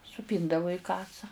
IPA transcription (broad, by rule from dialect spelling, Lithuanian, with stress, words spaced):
sʊˈpʲiːndɐʋʊ iː ˈkɑːsɐ